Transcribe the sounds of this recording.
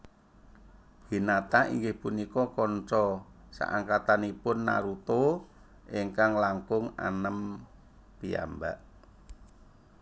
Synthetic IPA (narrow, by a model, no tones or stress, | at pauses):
ɡ̥i̤nat̪aḭŋɡɪhpunikɔkɔnt͡ʃɔsa̰ʔa̰ŋkat̪anipʊnːa̰ɾut̪o | ʔiŋkaŋlaŋkʊŋa̰nəm | pia̰mba̰ʔ